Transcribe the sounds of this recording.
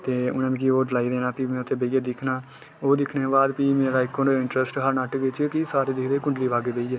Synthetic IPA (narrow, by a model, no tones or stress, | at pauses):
t̪eːʊ̰nãːmẽːk̬iːoːɖɪlaːiːd̪eːnãːpiːmẽːʊt̪ʰːeːbeijeːd̪ɪkʰnaː | oːd̪ɪkʰneːbaːd̪piːmeːɾaːɪkːõːoɪɳʈɾɛsʈɦəɾnaːʈɡɪt͡ʃkiːsaːɾeːd̪ɪkd̪eːkʊ̃ɳɖliːʋaːɡeːbeiːeː